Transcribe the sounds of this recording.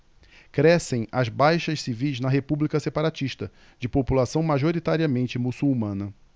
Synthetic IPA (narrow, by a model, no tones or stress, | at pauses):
kɾɛsẽj̃ɐzbajʃɐʃsivijznɐɦepublikɐsepaɾat͡ʃiʃt̪ɐ | d͡ʒɪpopulasɐ̃w̃maʒoɾit̪aɾiɐmẽnt͡ʃɪmusuwmɐ̃nɐ